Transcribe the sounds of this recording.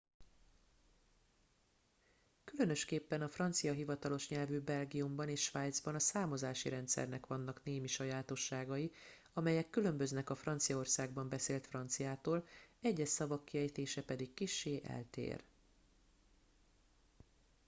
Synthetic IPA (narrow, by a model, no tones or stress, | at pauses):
kylønø̞ʃkeːpːɛnɒfrɒnt̪sijɒɦivɒt̪ɒlo̞ʃɲɛlvyːbɛlɡijumbɒneːʃʃʋaːjd̪zbɒnɒsaːmozaːʃiɾɛnt̪sɛ̰rnɛkʋɒnːɒkneːmiʃɒjaːt̪o̞ʃːaːɡɒji | ɒmɛjɛkːylø̞mbø̞znɛkɒfrɒnt̪sijɒo̞rsaːɡbɒmbɛseːlt̪frɒnt̪sijaːt̪oːlɛɟːɛʃsɒvɒkːiɛjt̪eːʃɛpɛd̪ikːiʃːeːʔɛ̰lt̪ḛːr